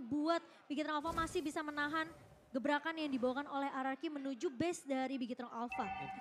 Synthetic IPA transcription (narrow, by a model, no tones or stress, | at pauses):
buat̪̚biɡit̪ɾɔŋalfamasɪhbisamənaɦan | ɡəbɾakanjaŋdibawakanolɛhaɾarkimənud͡ʒubɛsdaɾibiɡit̪ɾɔŋʔalfa